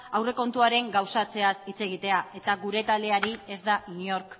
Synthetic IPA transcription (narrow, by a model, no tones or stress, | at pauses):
awre̞ko̞nt̪uaɾe̞ŋɡawsat͡se̞asit͡se̞ɣ̞it̪e̞ae̞t̪aɣuɾe̞t̪ald̪e̞aɾie̞zd̪aiɲo̞ɾk